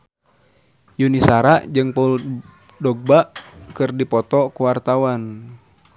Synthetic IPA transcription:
junisaɾaʔd͡ʒɨŋpaul | dɔɡ̚baʔkɨrdipɔt̪ɔkuwart̪awan

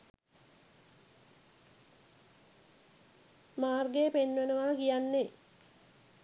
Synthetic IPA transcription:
maːrɡepenʋenəʋaːkijanːe

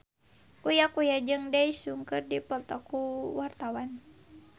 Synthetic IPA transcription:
kujakujad͡ʒɨŋdɛisuŋkɨrdipɔlt̪ɔkuwart̪awan

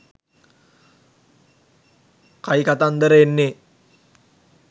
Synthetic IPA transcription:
kajkat̪and̪əɾəenːe

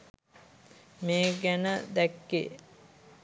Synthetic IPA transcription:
meːɡænəd̪ɛkːḛː

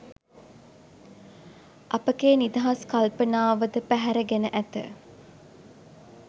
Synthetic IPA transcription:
ʔɐpəkeːnid̪aɦaskalpənaːʋəd̪əpæɦæɾəɡenəʔæt̪ə̰

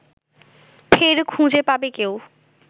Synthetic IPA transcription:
pʰeɾkʰũːd͡ʑepaːbekeo

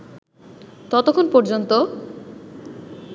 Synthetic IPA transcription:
t̪ɔt̪okʰonpɔɾd͡ʑont̪o

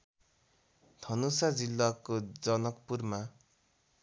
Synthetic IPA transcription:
d̪ʱʌnosad͡zilːakod͡zʌnʌkpurma

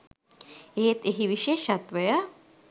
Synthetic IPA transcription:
eːt̪eɦiʋiʃeːʃɐt̪ʋɐjɐ

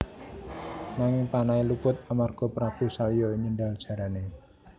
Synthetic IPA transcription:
naŋɪŋpanailupʊt̪̚amarɡ̥o̤pɾab̥ṳsalijɔɲindaldʒ̥a̤ɾane

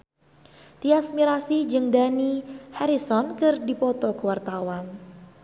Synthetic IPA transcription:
t̪iasmiɾasid͡ʒɨŋdanihaɾisɔnkɨrdipɔt̪ɔkəwart̪awan

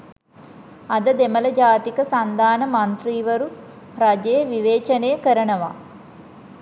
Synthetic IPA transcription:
ɐd̪ɐd̪emɐlɐd͡ʒaːt̪ikəsɐnd̪aːnɐmɐnt̪riːʋɐɾu | ɾɐd͡ʒeːʋiʋeːt͡ʃɐneːkəɾɐnɐʋa̰ː

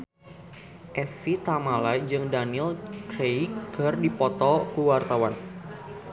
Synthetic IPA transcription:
ʔɛfit̪amalajd͡ʒɨŋdaniɛlkɾejɡ̥a̤rdipɔt̪ɔkuwart̪awan

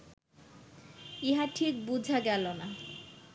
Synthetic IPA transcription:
iɦaʈʰik̚bud͡ʑʱaɡɛlona

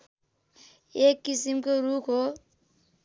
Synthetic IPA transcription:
ekːisimkoɾukɦo

